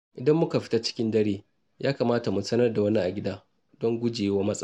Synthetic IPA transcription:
ʔɪ˨dɐ˦mːʊ˦ka˨ɸɪ̥˦ta˦t͡ʃɪ̥˦kʲɪ˦ndɐ˦ɽeː˦ | jʔaː˦kaː˨maː˦ta˨mu˨sɐ˦nɐ˦rda˨wɐ˦ni˦ʔa˨ɡʲɪ˦daː˦ | dɔ˦ŋɡʷʊ˦d͡ʒeː˨jwaː˦mɐ˦sʼɐ˦

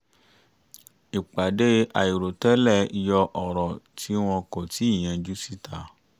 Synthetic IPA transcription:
i˨k͡pa˨de˦ʔa˨i˨ɾo˨tɛ˦lɛ˦˨i˨˧jɔ˧ʔɔ˨ɾɔ˨tʰi˦w̃ɔ̃˧ko˨ti˨˦i˦˨j̃ã˧d͡ʒu˦si˦tʰa˦˨

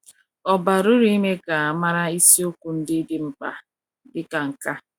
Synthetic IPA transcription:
ɔ˨ba˨ɾʊ˦ɾi˦i˦me˦ka˨a˨ma˦ɾa˦i˦si˦o˦kʷu˨n̩˦dɪ˦dɪ˦m̩˦pa̰˨ | dɪ˦ka˨ŋ̩˨ka˦

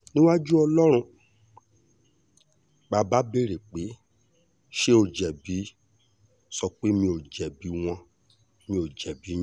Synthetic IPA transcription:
nĩ˦wa˦d͡ʒu˦ɔ˧lɔ˦ɾ̃ũ˧ | ba˧ba˦be˦˨ɾe˨k͡pe˨˦ | ʃe˦o˨d͡ʒɛ˨bi˨˦ | sɔ˧k͡pe˦mĩ˧o˨d͡ʒɛ˨bi˨˦w̃ɔ̃˧ | mĩ˧o˨d͡ʒɛ˨bĩ˨˦

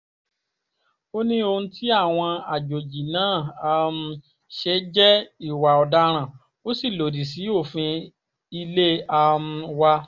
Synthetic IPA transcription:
o˦nĩ˦õ˧˦tʰi˦a˦˨w̃ɔ̃˧a˨d͡ʒo˨d͡ʒi˨nãː˦˨a˧m̩˧ | ʃe˧˦d͡ʒɛ˦i˦˨wa˨ɔ˨da˦ɾ̃ã˦˨ | o˦si˦˨lo˨di˨si˨˦o˦˨fĩ˧ | i˧le˦a˧m̩˧wa˧

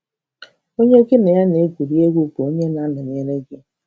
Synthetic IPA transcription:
o˦ɲe˦o˦ke˦ne˨ja˦ne˨˦ɡʷu˨ɾi˦e˦ɡu˦pu˨o˦ɲe˦na˨˦nɪ˨n˨e˨ɾe˦ɡɪ˦

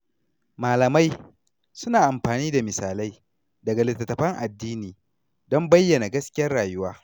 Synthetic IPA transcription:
maː˨lɐ˨ma˦j | sʊ˦naː˨ʔa˨mɸaː˨niː˦da˨mɪ˨saː˨la˦j | dɐ˨ɡa˨lɪ˨tːɐ˨tːɐ˨ɸɐ˦ŋʔa˨dːiː˦niː˨ | dɔ˦mbɐ˦jːɐ˨na˨ɡɐ˦skʲɪ˦jɐ˦aː˨jʊ˦waː˦

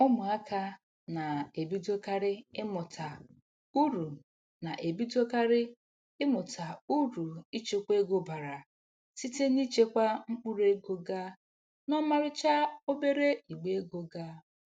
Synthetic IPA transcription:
ʊ˦mʊ˨a˦ka˦ | na˨e˨bi˦do˦ka˦ɾɪ˦ɪ˦mʊ˨tʰa˨ | u˦ɾu˨ | na˨ʔe˨bi˦do˦ka˦ɾɪ˦ | ɪ˦mʊ˨tʰa˨u˦ɾu˨i˦t͡ʃe˦kʷe˦ɡo˦ba˨ɾa˨ | si˦te˦ni˦t͡ʃe˦kʷa˦ŋ͡m̩˦k͡pu˦ɾe˦ɡo˦ɡa˦ | nɔ˦ma˦ɾɪ˦t͡ʃa˦o˦be˦ɾe˦i˨ɡ͡be˦ɡo˦ɡa˦

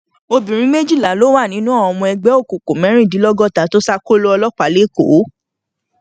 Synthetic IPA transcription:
o˧bĩ˨ɾ̃ĩ˦me˦d͡ʒi˦˨la˨lo˦wa˦˨nĩ˨˦nũ˦ɔ˦˨ɔ̃˧mɔ̃˧ɛ˧ɡ͡bɛ˨˦o˦˨ko˨ko˨mɛ̃˨˦ɾ̃ĩ˦˨di˨˦lɔ˦ɡɔ˦˨ta˨˦to˦sa˦ko˦lo˦ɔ˧lɔ˦k͡pa˨˦le˦˨ko˨˦

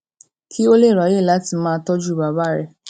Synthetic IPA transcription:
kʰi˦o˦le˦˨ɾɔ˨je˦˨la˨˦ti˧mãː˦tɔ˦d͡ʒu˦˨ba˨ba˦ɾɛ˧

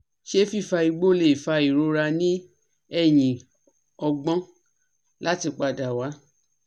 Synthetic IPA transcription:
ʃe˦fi˦˨fa˧i˧ɡ͡bo˦le˨fa˧i˨ɾo˧ɾa˧nĩ˦ | ɛ˦˨j̃ĩ˨ | ɔ˧ɡ͡bɔ̃˦ | la˦ti˧k͡pa˧˨da˨wa˨˦

